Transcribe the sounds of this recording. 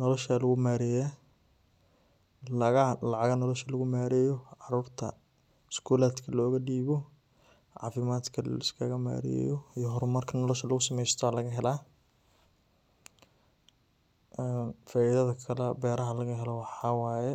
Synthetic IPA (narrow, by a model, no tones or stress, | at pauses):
nɔlɔʃalɐɣʊmaːɾɛja | lɐɣɐlɑʕɑɣɐnɔlɔʃɐlɐɣʊmaːɾɛjɔʕɑruːrt̪ʰɐ̰ | skʰuːlaːd̪kʰɐlɔːɣɐɖiːβɔ | ʕɑ̰ːfɪmaːd̪kʰɐl̰ɪskʰɐɣɐma̰ːɾɪ̰jɔijɔɦɔɾmɐrkʰɐnɔlɔʃɐlɐɣʊsɐmɛjst̪ʰɔwaːlɐɣɐɦɛlaː | ʔɛnfaːɪðɐðɐkʰɐlɛbɛːɾɐɦɐlɐɣɐɦɛlɔwɑħɑwaːjɛ